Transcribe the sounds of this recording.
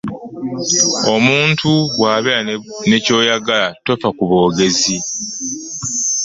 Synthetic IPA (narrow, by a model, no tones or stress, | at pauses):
o̞muːntʰuwaːβeɾane̞co̞ːjaɡalatofakuβo̞ːɡe̞zi